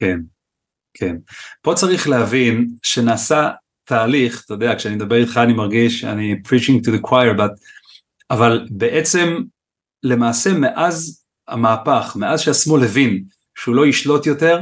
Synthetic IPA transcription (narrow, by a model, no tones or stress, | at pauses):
ken | kʰenpo̞t͡saʁiχlehavinʃe̞naːsa | tʰaːliχt̪ojod̪eakʃeanimed̪abe̞ʁit̪χaːnimaʁɡiʃa̰nipɹit͡ʃĩŋɡtuðekwajeɾbat̪ | avalbe̞ʔet͡se̞m | le̞maːse̞me̞ʔaz | ha̰maːpaχmeazʃeasmolevin | ʃeulo̞jiʃlo̞tjo̞te̞ʁ